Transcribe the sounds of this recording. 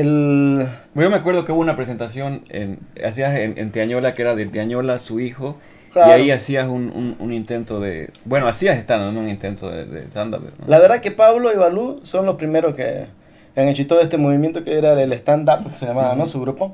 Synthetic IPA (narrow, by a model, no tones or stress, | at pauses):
el | eʝomeakwe̞ɾðokeuβunapɾes̬e̞nt̪as̬jo̞nḛna̰s̬iasenḛnt̪iaɲolakeeɾaðelt̪iaɲolasuixo | klaiaɾiasiasunṵnṵnint̪e̞nt̪oðḛbwe̞noasiasest̪and̪onounint̪ent̪oðḛðḛst̪and̪a̰eno̰laβeɾðake̞paβloiβaluso̞nlospɾimeɾoskḛ | aŋet͡ʃoit̪oðoest̪emoβimjent̪okeeɾaelest̪and̪apke̥seʎamaβanosuɣɾupo